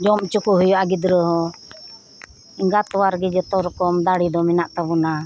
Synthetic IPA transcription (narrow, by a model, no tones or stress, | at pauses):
d͡ʒɔmt͡ʃukuɦujɔaɡid̪ɾəɦɔ | iŋɡat̪ɔwaɾɡɛd͡ʒɔt̪ɔɾkɔmd̪aɽid̪ɔminaʔt̪abuna